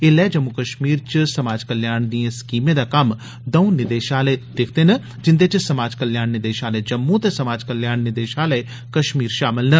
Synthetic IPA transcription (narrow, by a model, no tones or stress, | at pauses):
eːlɛːd͡ʒəmːukəʃmiːɾt͡ʃəsɐmaːd͡ʒkəljaːɳd̪iẽskiːmẽːd̪aːkɐm | d̪əũnɪd̪eːʃaːlɛːd̪̥ekʰd̪eːnə | d͡ʒɪnd̪eːt͡ʃsəmaːd͡ʒkəljaːnnɪd̪eːʃaːlɛːd͡ʒəmːut̪esɐmaːd͡ʒkəljaːnnɪd̪eːʃaːlɛ | kɐʃmiːɾʃaːmɪlnə